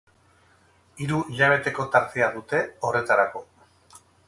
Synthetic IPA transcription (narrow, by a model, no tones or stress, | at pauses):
iɾuiʎaβ̞e̞t̪e̞ko̞t̪aɾt̪e̞aðut̪e̞o̞re̞t̪aɾako̞